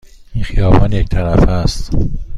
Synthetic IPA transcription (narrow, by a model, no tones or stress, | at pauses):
inxijɒːbɒːnject̪ʰæɾæfæst̪